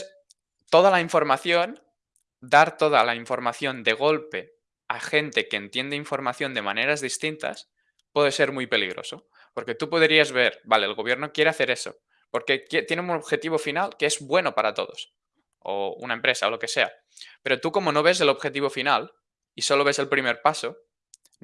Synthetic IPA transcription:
s | t̪o̞ð̞alaiɱfo̞ɾmaθjon | d̪aɾt̪o̞ða̰laiɱfo̞ɾmaθjo̞nd̪e̞ɣ̞o̞lpe̞ | axe̞nt̪e̞keːnt̪je̞nd̪eiɱfo̞ɾmaθjo̞nd̪e̞mane̞ɾazðist̪int̪a̰s | pweðe̞se̞ɾmujpe̞liɣɾo̞̰so̞ | po̞ɾke̞t̪upo̞ðɾiazβe̞ɾbale̞ːlɣo̞βje̞ɾnokje̞ɾe̞aθe̞ɾe̞so̞̰ | po̞ɾke̞kjet̪je̞neunoβxe̞t̪iβo̞finalkeezbwe̞no̞paɾat̪o̞̰ðo̞̰s | o̰ṵnaempɾe̞sao̞lo̞ke̞se̞a̰ | pe̞ɾo̞t̪uko̞mo̞no̞β̞e̞ze̞lo̞βxe̞t̪iβ̞o̞final | iso̞lo̞β̞e̞se̞lpɾime̞ɾpaso̞

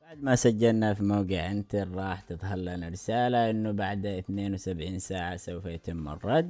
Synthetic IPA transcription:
baʕd̪masad͡ʒːalnafimaːɡɪʕʔɪnt̪aɾˤɑːħt̪ɨt̪ˤɦalːanaɾɪsaːlaʔɪnːubaʕd̪aɪθneːnwɪsabʕiːnsaːʕasawfajat̪ɪmːɑ̰rˤːɑd̪ː

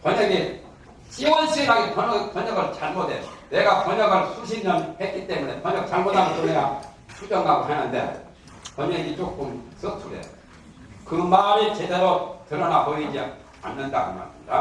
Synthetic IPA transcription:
pʌɲeɡi | ɕ͈iwʌnɕʰiɾaɡipʌpʌɲʌɡɯɭt͡ɕaɭmodene̞ɡapʌɲʌɡɯɭsʰuɕ̬ʰiɲʌnhet̚k͈it͈e̞mune̞pʌɲʌk̚t͡ɕaɭmodaɡot͡ɕoneɾa | t͡ɕʰut͡ɕ͈ʌŋɡaɡoɦanɯnde̞̰ | pʌɲeɡit͡ɕ͈ok͈ɯms͈ɯtʰudḛo | kɯmaɾit͡ɕede̞ɾotɯɾʌnaboid͡ʑi | a̰nːɯnda̰ɡɯ̰nma̰sɯɲida̰

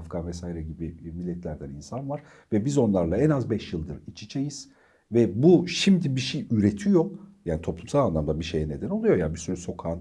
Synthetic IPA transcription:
fɡanvɛsaːjiɾɛɟibimilʲːɛt̪ʰlʲæɾd̪æninsanvaɾ̥ | vɛbizo̞nlˠaɾlˠaɛnazbɛʃjɯlˠd̪ɯɾit͡ʃʰi̥t͡ʃʰejiz̥ | vɛbuʃimd̪ibiʃejyɾet̪ʰijojaːnit̪ʰo̞plˠumsalˠanlˠamd̪abiʃejɛne̞d̪æno̞lˠujo̞jabisyɾyso̞kʰaːn

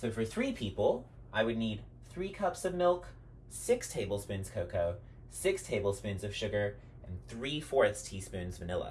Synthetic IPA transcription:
soʊfə˞θɹipʰipl̩ˠ | ʔaɪwɨdⁿnid̪̚ | θɹikʰʌpsʌvmɪlˠk | sɪkstʰeɪbl̩ˠspʉ̃nz̥kʰoʊkoʊ | sɪkstʰeɪbl̩ˠspʉ̃nzʌv̥ʃʊɡə˞ | ʔɨ̃nθɹifɔɹθstʰispʉ̃nzvɨnɪlˠə̰

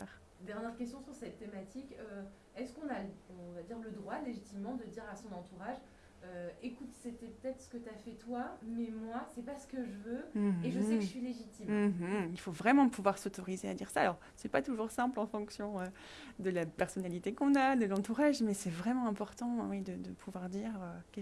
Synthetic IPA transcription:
aʁ | d̪ɛʁnjɛʁkʲɛst̪jɔ̃syʁsɛt̪ːemat̪ikø | ɛskɔ̃naɔ̃ɔ̃vad̪iʁləd̪ʁwaleʒit̪imːɑ̃d̪əd̪iʁasɔ̃nɑ̃t̪uʁaʒ | øekut̪sɛpt̪ɛpə̥t̪ɛt̪χsə̥kət̪yafɛt̪wamɛmwasɛpasə̥kəʒəvøeʒəsɛkə̥sɥileʒit̪imm̩ɦilfovʁɛmɑ̃pʰuvwaʁsot̪ɔʁizead̪iʁsaːlɔʁ | sɛpat̪uʒuʁsɛ̃plɑ̃fɔ̃ksjɔ̃ø | d̪əlapɛʁsɔnalit̪ekɔ̃nad̪əlɑ̃t̪uʁaʒmɛsɛvʁɛmɑ̃ɛ̃pɔʁt̪ɑ̃wɛd̪əd̪əpʰuvwaʁd̪iʁøkɛ

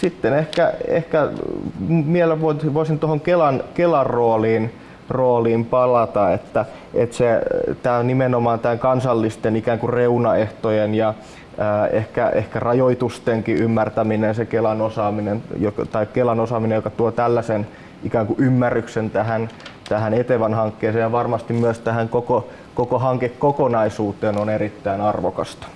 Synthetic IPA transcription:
sit̪ːenehkæḛhkæ | mieelːæʋoiiʋoisint̪ohoŋkelɑnkelɑrroːliːn | roːliːmpɑlɑt̪ɑet̪ːæ | ʔet̪set̪æːnimenomɑːnt̪æŋkɑnsɑlːist̪enikæːŋkureunɑeht̪ojenjɑ | əːehkæʔḛhkærɑjoit̪ust̪eŋkiʔymːært̪æminensekelɑnosɑːminenjokt̪ɑikkelɑnosɑːminejokɑt̪uot̪ælːæsen | ʔikæːŋkuʔymːærːyksent̪æhænt̪æhænet̪eʋænhɑŋkːeːseːjɑʋɑrmɑst̪immyøst̪æhæŋkoko | kokoɦɑŋkekːokonɑisuːt̪eːnoneɾit̪ːæinɑrʋokɑ̰st̪ɑ̥

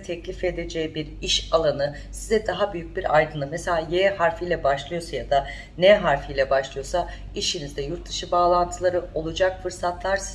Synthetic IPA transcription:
t̪ʰɛclʲife̞d̪e̞d͡ʒɛjibiɾiʃalˠanɯ | sizɛd̪aɦabyjyc̚biɾajd̪ɯnlˠɯmeselʲaːjehaɾfijlʲɛbaʃlˠɯjo̞sajad̪a | nɛɦaɾfijlʲɛbaʃlˠɯjo̞sa | iʃinizd̪ɛjuɾt̪̚d̪ɯʃɯbaːlˠant̪ʰɯlˠaɾɯo̞lˠud͡ʒakfɯɾsat̪ʰlˠaɾs

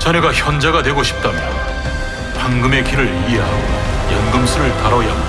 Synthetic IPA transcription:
t͡ɕʰaneɡaçjʌnd͡ʑaɡadwe̞ɡoɕʰi̥p̚t͈amjʌn | paŋɡɯme̞kiɾɯɾieɦaɡojanɡɯmsʰuɾɯɭtaɾʌja

